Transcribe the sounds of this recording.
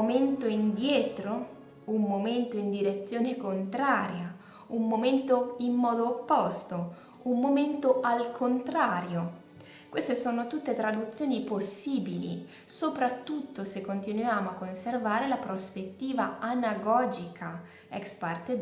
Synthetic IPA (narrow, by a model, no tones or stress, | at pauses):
ment̪oind̪jɛːt̪ɾo | umːoment̪oind̪iɾet̪sːjoːnekont̪ɾaːɾja | umːoment̪oimːɔːd̪oːpːɔst̪o | ummoment̪oʔalkʰont̪ɾaːɾjo | kwest̪esoːnot̪ut̪ːet̪ɾad̪ut̪sːjoːniposːiːbilḭ | sopɾat̪ːut̪ːosekːont̪inujaːmoakːonservaːɾelapɾospet̪ːiːvaanaɡɔːd͡ʒikʰa | ɛkspart̪e